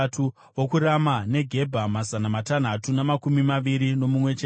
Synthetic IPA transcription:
tu | wokuɾamane̞ɡʱe̞bʱamazanamatan̤atunamakumimaʋiɾino̞mumwe̞t͡ʃe

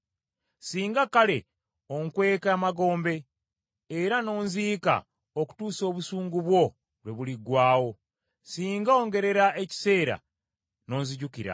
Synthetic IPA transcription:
siːŋɡakale̞ | o̞ŋkwe̞ːkamaɡo̞ːmbe̞ː | ɾano̞ːnziːka̰ | oku̥tuːso̞ːβusuːŋɡuβwo̞ | lwe̞βuliɡwaːwo̞ | siːŋɡaoːŋɡe̞ɾe̞ɾaeci̥se̞ːɾa̰ | no̞ːnziɟukiɾa̰

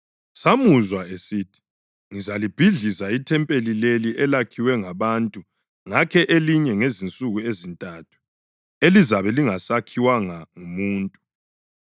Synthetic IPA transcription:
samuzwaesitʰi̥ | ŋizalib̥ʱiɮizaitʰɛmpʼelileliʔɛlakʰiwɛŋaβantʼu | ŋakʰɛʔeliɲɛŋezint͡sʼuɣuezintʼatʰu̥ | elizaβɛliŋasakʰiwaŋaŋumuːntʼu

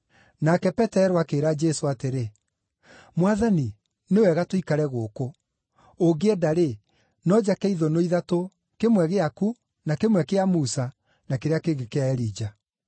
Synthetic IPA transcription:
nakɛpɛtɛɾoakeːɾad͡ʒɛsoateɾe | mwaðani | newɛɣatoikaɾɛɣoːkoː | ɡeɛdaɾe | nɔd͡ʒakɛiðonoiðato | kemwɛɣeaku | nakemwɛkeamusa | nakeɾeakeɣekeaɛɾiːd͡ʒa

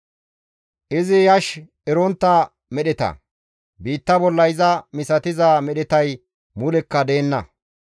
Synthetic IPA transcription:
ʔɪzɪjɐʃ | ɛɾɔnt̪ːɐ | mɛɗɛt̪ɐ̰ | biːt̪ːɐbɔlːɐjzɐmɪsɐt̪ɪzaːmɛɗɛt̪ɐj | mʊlɛkːɐd̪e̞ːnːɐ̰

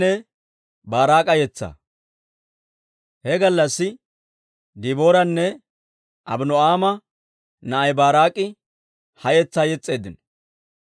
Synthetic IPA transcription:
ɛ | baːɾaːkʼɐjɛt͡sːɐ̰ | hɛɡɐlːɐsːɪ | d̪iboːɾɐnːɛ | ʔɐbnɔaːmɐ | nɐʔɐjbaːɾaːkʼɪ | hɐjɛt͡sːaːjɛt͡sʼːe̞ːd̪ɪnɔ

